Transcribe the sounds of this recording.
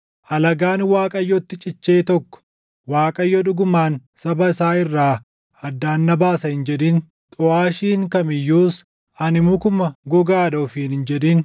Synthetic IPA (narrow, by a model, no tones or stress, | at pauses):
ʔɐlɐɡaːnwaːkʼɐjːɔt̪ːɪt͡ʃʼɪt͡ʃːeːt̪ɔkːɔ̥ | waːkʼɐjːɔᶑʊɡʊmaːnsɐbɐɪsaːɪrːaː | ɐd̪ːaːnːɐbaːsɐhɪnd͡ʒɛᶑɪn | t̪ʼʊaːʃiːŋkɐmɪjːuːs | ɐnɪmʊkʊmɐɡɔɡaːdoːfiːnhɪnd͡ʒɛᶑiːn